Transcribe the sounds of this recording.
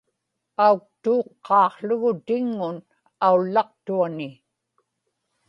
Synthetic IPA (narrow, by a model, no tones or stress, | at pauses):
auk̚t̪uːqːɑːqɬʊɣʊt̪ɪŋːʊn | aulːɑqt̪uanɪ